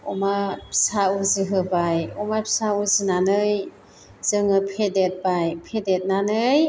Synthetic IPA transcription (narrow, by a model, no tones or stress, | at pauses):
ɔmapʰsauzɯɦɯbajɔmajpʰi̥sauzɯnanɯj | z̥ɯŋɯpʰedet̚bajpʰedet̚nanɯj